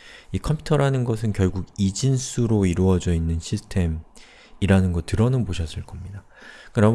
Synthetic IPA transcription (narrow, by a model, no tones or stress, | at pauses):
ikʰʌmpʰutʰʌɾanɯnɡʌsʰɯnkjʌɭɡuɡid͡ʑins͈ʰuɾoiɾuʌd͡ʑʌinːɯnɕʰisʰɯ̥tʰe̞m | iɾanɯnɡʌtɯɾʌnɯnboɕʰʌs͈ɯɭk͈ʌmɲida | kɯɾʌ